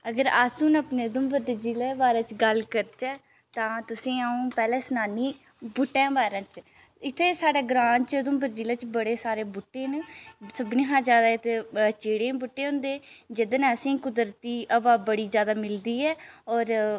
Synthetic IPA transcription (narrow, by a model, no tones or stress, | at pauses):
əɡəɾaːsuːnəːpneːəd̪ʊmbəɾd̪ed͡ʒiːleːʋaːɾãːt͡ʃɡəlkəɾt͡ʃɛː | t̪ãːt̪ʊsĩːaũːpɛːlɛ̃ːsnaːniː | bʊʈːɛ̃ːbaːɾãːt͡ʃ | ɪt̪ʰːeːsaːɖeːɡɾãːnt͡ʃəd̪ʊmbəɾd͡ʒiːleːt͡ʃbəɽeːsaːɾeːbʊʈːeːnẽːsəbnẽːɦãːzjaːd̪aːɪt̪ʰːeːt͡ʃeːɽẽːbʊʈːeːɦʊ̃ːnd̪eːd͡ʒɪd̪ənːəsĩːkʊd̪ɾt̪iːʔəbaːbəɽiːzjaːd̪aːmɪld̪iːɛːɔːɾ